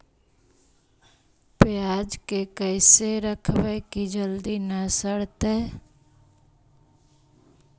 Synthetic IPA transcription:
pjaːd͡ʒkekəɪseɾəkʰʋəkid͡ʒəld̪inəsəɽt̪e

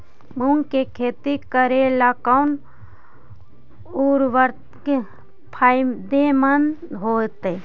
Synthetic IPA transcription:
muŋkekʰeːt̪ikəɾelakan | uɾʋəɾt̪ | ke | pʰad̪emənɦoːt̪e

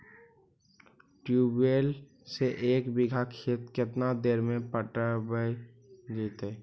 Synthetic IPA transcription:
ʈjuːbeːl | seʔeːkbɪɡʱakʰeːt̪kɪt̪nad̪eːɾmẽpəʈəbəj | ɡiːt̪eː

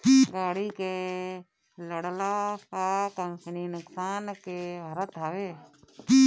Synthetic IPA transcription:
ɡaːɽike | ləɽlakakəmsninʊksaːnkebʱəɾət̪aːʋeː

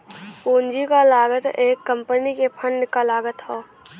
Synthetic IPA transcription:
poːnd͡ʒikalaːɡət̪eːkːə̃mpənikepʰə̃ɳɖkalaːɡət̪ɦoː

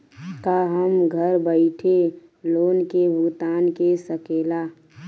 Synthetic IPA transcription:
kaɦəmɡʱəɾbəɪʈʰe | loːnkebʱʊɡt̪aːnkesəkeːlaː

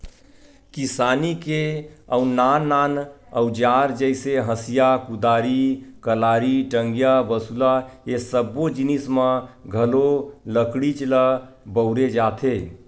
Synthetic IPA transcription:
kisanikeəunanan | əʊd͡ʒaɾd͡ʒəɪseɦəsijakud̪aɾikəlaɾiʈəŋɡjabəsulaesəbod͡ʒinismə̃ɡʱəloləkɽit͡ʃlə | bəʊɾed͡ʒat̪ʰe

